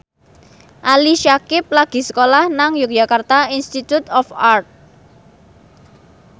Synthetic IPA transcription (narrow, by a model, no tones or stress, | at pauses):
ʔaliʃakɪp̚laɡ̥i̤sə̥kolahnaŋjʊk̚ʒ̥akart̪ainst̪it̪ut̪ɔfart̪̚